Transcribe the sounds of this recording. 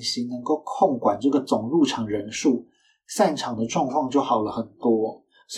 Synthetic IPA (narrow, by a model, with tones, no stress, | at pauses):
ɕi˧˥nə˧˥ŋko˥˧ʊkʰo˥˩ŋkwa˨˩nʈ͡ʂɤ˥˩ɡə˩t͡sʊ˨˩ŋlu˥˩ʈ͡ʂʰɑ˨˩ŋɻə˧˥nʂu˥˩ | sa˥˩nʈ͡ʂʰɑ˨˩ŋd̪ə˦ʈ͡ʂwɑ˥˧ŋkʰwɑ˥˧ŋt͡ɕjo˥˩ʊxɑ˨˩ʊlə˦xə˨˩nt̪wɔ˥ | s